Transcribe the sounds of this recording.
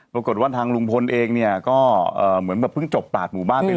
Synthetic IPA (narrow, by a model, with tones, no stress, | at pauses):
pɾa˧ko˨˩t̪̚waː˥˩t̪ʰaː˧ŋlu˧ŋpʰo˧nʔeː˧ŋni˥˩ɐkɔː˥˩ʔɤː˨˩mɯ˩˦ənka˨˩pʰɯ˥˩ŋt͡ɕo˨˩p̚laː˨˩t̪̚muː˨˩baː˥˩ni˥˩